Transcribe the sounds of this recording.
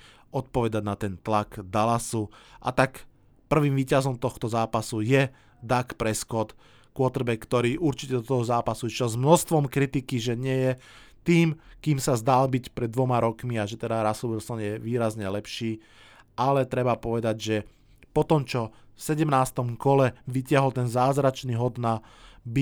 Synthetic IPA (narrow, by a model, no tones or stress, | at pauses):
ɔt̪̚pɔʋɛd̪aɟnat̪ɛnt̪laɡd̪alasuʔa̰t̪ak | pr̩ʋiːmʋiːcazɔmt̪ɔxt̪ɔzaːpasujɛ | d̪akpɾɛskɔt̪ | kʊɔt̪rbɛkːt̪ɔɾiːʔuɾt͡ʃicɛd̪ɔt̪ɔɦɔzaːpasuit͡ʃɔzmnɔst̪ʋɔmkɾit̪ikiʒɛɲɪɛjɛ | t̪iːmkiːmsazd̪albicpɾɛd̪ːʋɔmaɾɔkmiaʒɛt̪ɛd̪aɾasubilsɔnjɛʋiːɾazɲɛlɛpʃiː | alɛt̪ɾɛbapɔʋɛd̪aɟʒɛ | pɔt̪ɔmt͡ʃɔfsɛɟɛmnaːst̪ɔmkɔlɛʋicɪaɦɔlt̪ɛnzaːzɾat͡ʃniɦɔd̪na | bi